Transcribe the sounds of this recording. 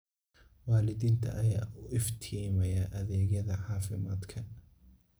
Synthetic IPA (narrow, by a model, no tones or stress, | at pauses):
waːlɪðiːnt̪ʰɐ̰ʔɐjaːʊʔɪft̪ʰiːmɐjaːʔɐðɛːɣɐðɐʕɑːfɪmaːd̪kʰɐ